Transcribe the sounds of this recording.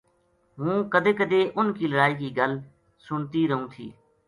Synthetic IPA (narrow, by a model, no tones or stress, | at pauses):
ɦũːkəd̪eːkəd̪eːʔʊnkiːləɽaːiːkiːɡəl | sʊɳt̪iːɾəɦũːt̪ʰḭː